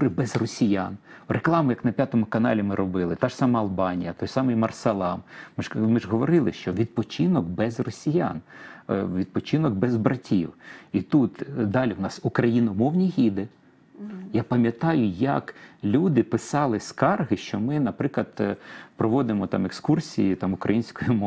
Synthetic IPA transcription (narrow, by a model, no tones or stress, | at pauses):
ɾɪbɛzrɔsʲijanreklˠɑmʊjɐknɐpʲjat̪ɔmʊkɐnɑ̰lʲimɪɾɔbɪlˠɪt̪ɑʃsɑmɐɐlˠbɑnʲijɐt̪ɔjsɑmɪjmɐrsɐlˠɑmmɪmɪʒɦɔʋɔɾɪlˠɪʃt͡ʃɔʋʲid̪̚pɔt͡ʃɪnɔkbɛzrɔsʲija̰n | ʋʲid̪̚pɔt͡ʃɪnɔɡ̚bɛzbɾɐtʲʰḭwit̪ut̪d̪ɑlʲiwnɑsukɾɐjinɐmɔwnʲiɦʲid̪ɛ | japɐmʲjɐt̪ɑjʊjɐ̰klʲud̪ɪpɪsɑlˠɪskɑrɦɪʃt͡ʃɔmɪnɐpɾɪklˠɐd̪pɾɔʋɔd̪ɪmɔt̪ɑ̰mekskursʲijit̪ɑmʊkɾɐ̰jinʲsʲkɔjʊmɔ